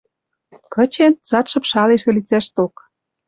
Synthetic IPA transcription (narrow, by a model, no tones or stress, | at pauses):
kɤ̆t͡ɕent͡sɑt̪ʃɤ̆pʃɑleʃĕlit͡sæʃt̪ok